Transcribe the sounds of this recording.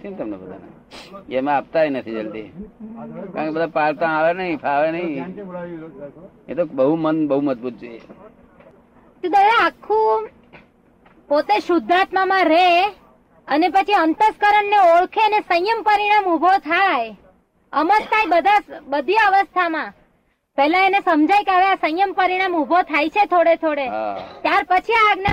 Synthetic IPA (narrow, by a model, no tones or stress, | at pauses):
t̪ʰit̪əmnɛ̰bəd̪a̰na̰ | keəm̃ap̚t̪aɦinət̪ʰid͡ʒəlt̪i | kãkebəd̪apaɭt̪ãaʋenəɦĩpʰaʋenəɦĩ | ḛt̪obəɦumənbəɦuməd͡ʒbut̪̚d͡ʒojḛ | t̪ũd̪əɾaːkʰːũ | pot̪eʃʊd̪ʱːat̪mamãɾe | ənepət͡ʃʰiənt̪əskəɾəɳːeoɭkʰeənesə̃jjəmpəɾiɽ̃amubʱot̪ʰaj | əmətt̪ʰajbəd̪ʱasbəd̪ʱiəʋəst̪ʰamã | pɛɦlãenesəmd͡ʒajkeəʋeasə̃jjəmpəɾiɽ̃amubʱot̪ʰajt͡ʃʰet̪ʰoɽet̪ʰoɽet̪jaɾpət͡ʃʰiaɡna